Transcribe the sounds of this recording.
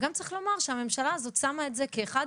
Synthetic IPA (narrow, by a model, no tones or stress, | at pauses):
ɡamt͡saʁiχlo̞maʁʃeame̞mʃalaːzo̞tsamaetze̞keːχad